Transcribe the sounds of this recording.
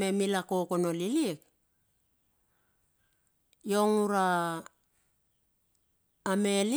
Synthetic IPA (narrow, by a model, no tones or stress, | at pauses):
e̞milako̞ko̞no̞liliek | jo̞ŋuɾa | meli